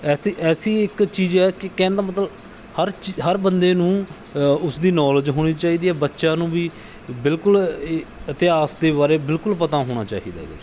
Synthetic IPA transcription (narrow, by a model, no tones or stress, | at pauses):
ɛːsiʔɛːsiːɪkt͡ʃiːd͡ʒɛːkɪkɛ̃ːnd̪aːmət̪ləb | həɾt͡ʃɦəɾbənd̪eːnũː | ʊsd̪iːnɔːləd͡ʒɦoːɽ̃iːt͡ʃaːiːd̪iːɛːbətːʃãːnũːʋiː | bɪlkʊl | ət̪ɪaːsd̪eːbaːɾeːbɪlkʊlpət̪ãːɦoːɽ̃a̰ːt͡ʃa̰ːḭːd̪a̰ːɡɛ̰ː